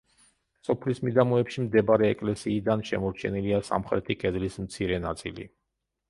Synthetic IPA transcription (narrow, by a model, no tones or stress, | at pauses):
sɔpʰlismid̪amɔɛpʃimd̪ɛbaɾɛːkʼlɛsiːd̪anʃɛ̰mɔɾt͡ʃʰɛniliasa̰mχɾɛt̪ʰikʼɛd̪lismt̪sʰiɾɛnat̪sʼḭlḭ